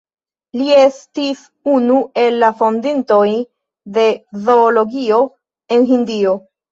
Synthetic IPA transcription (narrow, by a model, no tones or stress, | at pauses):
lie̞stis | unue̞lːafo̞ndinto̞j | de̞zo̞ːlo̞ɡio̞ | e̞nɦindio̞